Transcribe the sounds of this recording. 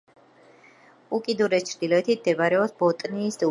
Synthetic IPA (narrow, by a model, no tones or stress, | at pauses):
ukʼid̪uɾɛst͡ʃʰɾd̪ilɔɛt̪ʰit̪ʰmd̪ɛbaɾɛɔsbɔt̪ʼniːsd̪u